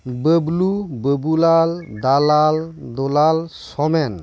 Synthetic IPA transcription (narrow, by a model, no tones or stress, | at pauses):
bəblubəbulald̪alald̪ɔlalsɔmɛn